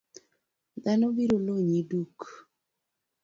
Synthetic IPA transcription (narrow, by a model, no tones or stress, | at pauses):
d̪anobiɾoloɲiduk